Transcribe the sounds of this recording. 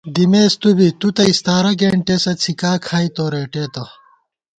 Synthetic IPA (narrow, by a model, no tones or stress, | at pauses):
d̪imeːst̪ubit̪ut̪ɐist̪aːɾɐɡeːɳʈesɐt͡sʰikaːkʰaːit̪oːɾeːʈeːt̪o